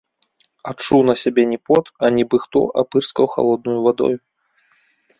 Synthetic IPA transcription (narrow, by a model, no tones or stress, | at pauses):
at͡ʂuwnɐsʲabʲɛnʲɛpɔt̪ɐnʲɛbɨxt̪ɔ̰ʔa̰pɨrskɐwxa̰lˠɔd̪̚nujuvad̪ɔ̰ju